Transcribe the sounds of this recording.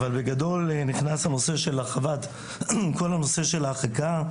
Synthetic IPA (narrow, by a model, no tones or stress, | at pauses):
valbeɡado̞lniχnasano̞se̞ʃe̞laχavad | ko̞lano̞se̞ʃe̞laχaka